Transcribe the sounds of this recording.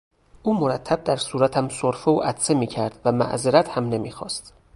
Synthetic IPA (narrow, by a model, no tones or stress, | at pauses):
ʔuːmoɾæt̪ʰːæb̚d̪æɾsuːɾæt̪ʰæmsoɾfooʔæt̪semiːcʰæɾd̪væmæ̰ʔzeɾæt̪hæmne̞miːxɒ̰ːst̪